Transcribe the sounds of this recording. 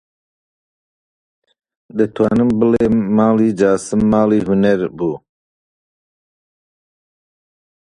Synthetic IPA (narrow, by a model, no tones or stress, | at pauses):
d̪et̪ʰuwanəmbəlemaːliːd͡ʒaːsəmːaːliːɦuneɾbu